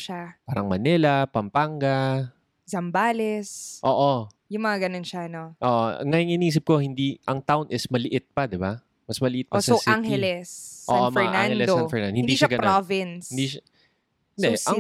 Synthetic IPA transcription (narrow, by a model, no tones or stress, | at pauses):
ʃapaːɾɐŋmɐnɛlɐpɐmpaŋɡɐ | zɐmbaːlɛsʔoːʔo | jʊŋmɐŋaɡɐnonʃaɐnoʔoːʔo̰ŋajoŋɪniːs̬ɪp̚ko̞hɪnd̪iʔɐŋt̪awʊnʔɪsmɐlɪʔɪt̪̚pɐd̪ɪba | mɐsmɐlɪʔɪt̪̚pʔpːsɐosaŋhɛlɛsːʔoːaʔomɐɛɹananɛdlɛsoanfɛɹnand̪ohɪ̃nd̪iʃaɡɐnpɾovɪnsɪnd̪iʃa | nd̪ɛʔɐ